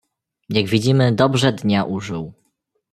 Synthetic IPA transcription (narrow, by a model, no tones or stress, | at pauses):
jaɡvʲid͡ʑimɘd̪ɔbʐɛd̪ɲaʔuʐɘw